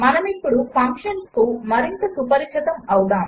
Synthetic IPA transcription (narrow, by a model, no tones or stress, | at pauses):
manɐmik̚puɭufɐ̃ŋkʃɐnkowmɐɾint̪ɐsupɐɾit͡ʃʰɐt̪ɐmɐwd̪a